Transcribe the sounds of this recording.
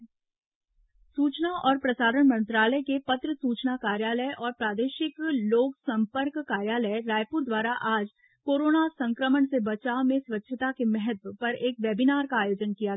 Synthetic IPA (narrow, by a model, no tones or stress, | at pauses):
suːt͡ʃnaʔɔːɾpɾɐsaːɾəɳ̃mɐ̃nt̪ɾaːləjkepɐt̪ɾəsuːt͡ʃnakaːɾjaːləjʔɔːɾpɾaːd̪eːʃɪkloːksɐ̃mpəɾkːaːɾjaːləeɾaːjpuɾd̪waːɾaʔaːd͡ʒ | koːɾoːnasɐ̃ŋkɾəməɳsebɐt͡ʃaːmẽswɐtːʃʰət̪akemɛɦət̪ʋəpɐɾeːkʋjɛːbinaːɾkaaːjoːd͡ʒənkija